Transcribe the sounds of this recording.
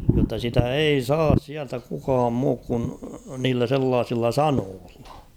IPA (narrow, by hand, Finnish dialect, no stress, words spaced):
jotːɑ sitæ ei sɑːs siæltæ kukɑːm muːk kun niːlːæ selːɑːsilːɑ sɑnoːlːɑ̥